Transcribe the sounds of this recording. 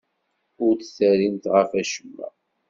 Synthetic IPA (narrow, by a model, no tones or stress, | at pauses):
ʊɾt͡sθæɾint̪ʁəfæʃəmːæ̰